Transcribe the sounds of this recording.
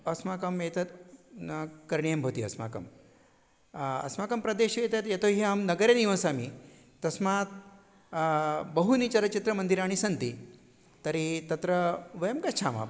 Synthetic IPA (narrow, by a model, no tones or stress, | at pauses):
ɐsmaːkɐmet̪ɐt̪ | kɐɾɳijɐmbʱot̪iɐ̰sma̰kɐ̰m | ɐ̰smakɐmpɾɐd̪eɕijet̪et̪jet̪oɦiamnɐɡəɾeniʋãsaːmi | t̪ɐsmat̪̚ | bɐɦunit͡ɕaɾɐt͡ɕit̪ɾɐmɐnd̪iɾaːɽ̃isɐnt̪i | t̪ɐɾit̪ɐt̪ɾɐʋɐjɐmkɐt͡ʃʰama̰